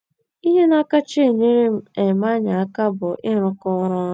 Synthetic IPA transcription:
i˦ɦe˦na˦ka˦t͡ʃe˨ɲe˦ɾe˦m̩˦e˨ma˦ɲa˨a˦ka˦bʊ˨ʔɪ˦ɾʊ˦kɔ˦ɾɔ˦

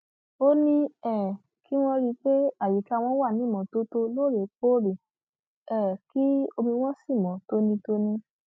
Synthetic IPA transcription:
o˦nĩ˧ɛ˦˨ | ki˦w̃ɔ̃˧ɾi˧k͡pe˦a˦˨ji˨ka˨a˦˧w̃ɔ̃˧˦wa˦˨nĩ˨˦mɔ̃˨˦to˦to˧lo˦˨ɾe˨k͡po˦ɾi˨ | ɛ˦˨ki˦o˧mĩ˧w̃ɔ̃˦si˦˨mɔ̃˨˦to˦nĩ˧to˧nĩ˧

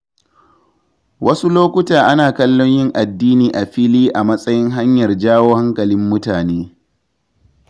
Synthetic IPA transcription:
wʔɐ˦su˦loː˦kʷʊ˦taː˨ʔa˦naː˨kɐ˦lːo˦ɲjɪ˦ŋʔa˨dːiː˦niː˨ʔa˨ɸɪ˦liː˦ʔa˨mɐ˦sʼɐ˦jɪ˦ŋɦa˦ɲjɐ˨rd͡ʒaː˦woː˦ha˦ŋkɐ˨lɪ˦mːʊ˦taː˨neː˦

